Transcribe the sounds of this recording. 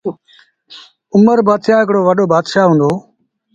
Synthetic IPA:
ʊməɾbaːt̪ʰaːɪkɽoːʋəɗoːbaːd̪ʃaːɦũːnd̪oː

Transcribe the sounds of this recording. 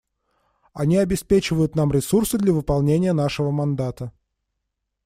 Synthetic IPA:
ɐnʲiɐbʲɪspʲet͡ɕɪvəjʊt̪namɾʲɪsursɨd̪lʲɐvɨpɐlˠnʲenʲɪjənaʂɨvəmɐnd̪at̪ə

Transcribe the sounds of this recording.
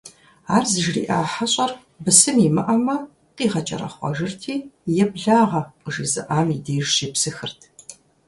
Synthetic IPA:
aːrzɨʒrḭːʔaːħɐɕʼɐr | bɨsɨmimɨʔɐmɐ | qiːʁɐt͡ʃʼɐ̰ɾɐ̰χʷɔ̰ʒɨrtʰiːjɛbɮaːʁɐqəʒizɨ̰ʔaːmideːʒʃiːpsɨxɨrtʰ

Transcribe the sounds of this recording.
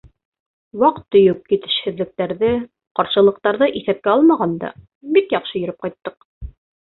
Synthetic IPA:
wɑqt̪ːɵ̆jup̚kit̪ɘ̥̆ʃhɘ̆ðlɘ̆k̚t̪æɾðɘ | qɑɾʃɤ̆lˠɤ̆q̚t̪ɑɾðɤʔiθæp̚kæɑlˠmɑʁɑnd̪ɑ̰ | bikjɑqʃɤjɵ̆ɾɘp̚qɑjt̪ːɤq̚

